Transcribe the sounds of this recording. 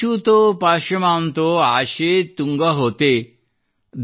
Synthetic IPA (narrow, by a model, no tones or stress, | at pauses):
ut̪opaʃəmant̪oaʃet̪uŋɡaɦot̪e | d̪